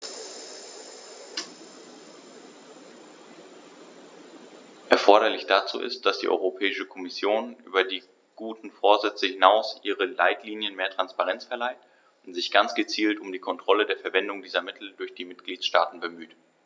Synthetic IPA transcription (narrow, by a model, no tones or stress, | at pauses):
ʔɛɐfɔɐɾɐlɪçd̥at͡sṵːʔɪ̰st̚d̥asd̥ḭːʔɔ̰ʏʁopʰɛːɪʃəkʰɔmɪsjoːnʔy̰ːbɐdiː | ɡ̥uːtn̩foːɐzɛt͡səhɪnaʊsʔiːʁəla̰ɪtʰliːnjənmeːɐtʁ̥anspaʁɛnt͡sfɛɐlaɪt | ʊntz̥ɪçɡ̥ant͡sɡ̥ət͡siːltʊmdiːkʰɔntʁ̥ɔlədeːɐfɛɐvɛndʊŋdiːzɐmɪtʰl̩dʊɐçd̥iːmɪt̚ɡ̥liːtʃtaːtn̩bəmyːt